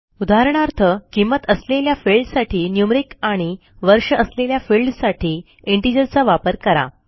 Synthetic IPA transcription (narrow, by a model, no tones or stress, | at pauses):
ud̪ʱaɦɾəɳ̃aɾt̪ʰəkimət̪əsleljafilɖsaʈʰiːnjumɾikaɽ̃i | ʋəɾʂəəsleljafilɖsaʈʰiː | iɳʈid͡ʑəlt͡saʋapəɾkəɾa̰